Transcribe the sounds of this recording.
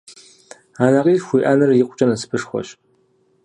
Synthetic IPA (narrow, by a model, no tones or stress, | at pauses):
aːnɐqʼiːrxʷiːʔanɨrjɪqʷʼʊt͡ʃʼɐnɐsɨ̥bʰɨʂxʷɔ̰ɕ